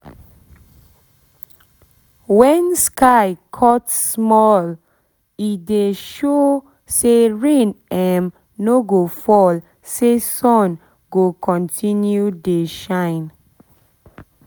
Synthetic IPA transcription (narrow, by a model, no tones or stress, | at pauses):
wɛ̃nskʰaɪkʰɔtsmɔl | ideʃo | seɹẽnɛm | noɡofɔl | sesɔ̃n | ɡokʰɔ̃ntʰĩnjudeʃãɪ̃n